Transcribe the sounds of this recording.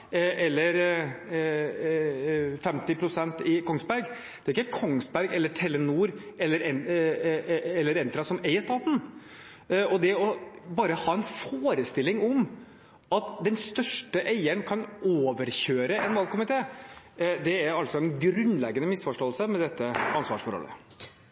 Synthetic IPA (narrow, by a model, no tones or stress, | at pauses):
ʔɛlːəɾ | fɛmt̪ɪpʰɾʊsɛnt̪ɪkʰɔŋsbæɾɡ | d̪̥ɛɾɪkːəkʰɔŋs̚bæɾɡɛlːəʈʰɛlːənuːɾɛlːəɾɛn | ɛlːəɾɛnt̪ɾɑsɔmeɪəʂt̪ɑːt̪n̩ | ʔɔd̪ɛɔbɑːɾəhɑːɛnfoːɾəst̪ɪlːɪŋɔm | ɑt̪d̪ɛnst̪œʂʈəʔeɪəɳkʰɑnoːʋəɾçøːɾəɛnʋɑlkʰʊmɪt̪ʰeː | d̪ɛæɾɑlt̪sɔɛnɡɾʉnlɛɡːənəmɪsfɔʂʈoːəlsəmɛd̪ɛt̪ːəɑnsʋɑ̰ːʂfɔɾɔ̰lːə̰